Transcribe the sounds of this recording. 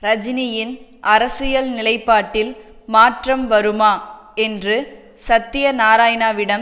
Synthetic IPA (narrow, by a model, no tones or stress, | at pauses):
ɾɐd͡ʒɪnɪjɪnʔɐɾɐsɪjɐlnɪlɐɪpːaːʈːɪl | maːʈrɐmʋɐɾɯmaː | ɛndrɯ | sɐt̪ːɪjɐnaːɾaːjnaːʋɪɽɐm